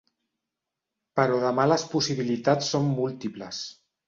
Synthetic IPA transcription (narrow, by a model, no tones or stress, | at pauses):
pəɾɔðəmaləspusiβilit̪at͡sːomːulˠt̪ipləs